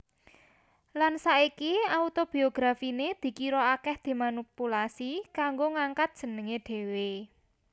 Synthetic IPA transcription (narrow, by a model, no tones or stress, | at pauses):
lansaikiaut̪ob̥i̤oɡ̥ɾafined̪̥i̤kiɾɔakɛhd̪̥e̤manipulasikaŋɡoŋaŋkat̪̚dʒ̥ə̤nəŋeɖ̪̥e̤we